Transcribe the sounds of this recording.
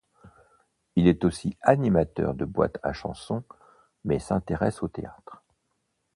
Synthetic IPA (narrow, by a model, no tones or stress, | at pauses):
ilɛt̪osianimat̪œ̰ʁd̪əbwa̰t̪ʰa̰ʃɑ̰̃sɔ̃ | mɛsɛ̃t̪eʁɛsot̪eat̪χ